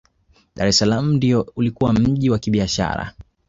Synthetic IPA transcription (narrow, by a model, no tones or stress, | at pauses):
ɗaɾɛsalamundiɔulikuwam̩ʄiwakiɓiaʃa̰ɾa̰